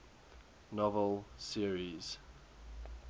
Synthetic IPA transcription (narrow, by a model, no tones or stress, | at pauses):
nɔvəlˠsiəɹiz̥